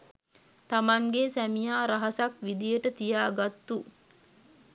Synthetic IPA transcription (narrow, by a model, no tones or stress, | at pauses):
t̪amaŋɡesæmijaːɾaɦɐsakʋid̪ijəʈət̪ijaːɡat̪ːu